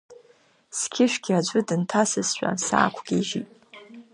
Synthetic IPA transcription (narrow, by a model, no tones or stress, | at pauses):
skʲʰɪʃʷᶣɡʲirad͡ʒʷʼʊdɨntʰasɨsʃᶣʷa̰sa̰ːkʷʰɡ̥ʲiʒitʼ